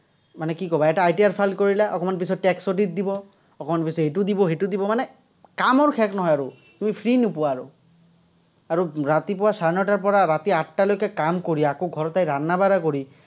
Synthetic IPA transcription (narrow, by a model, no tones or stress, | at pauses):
manɛkikɔbaɛtaːjtiaɹpʰalkoɹilɛʔɔ̰kɔmanp̬isɔːɛksotit̚dibɔ | ɔkɔmanpisɔɦetʊdibɔɦetʊdibɔmanɛ | kamɔɹkʰɛknɔɦɔjaɹʊ | tumipʰɹinupʊwaɹʊ̰ | aɹuɹatipɔwasaɹnɔtaɹpɔɹaɹatiatːalojkɛkamkoɹiɛakoɡʱɔɹɔtːajɹanːabaɹakoɹi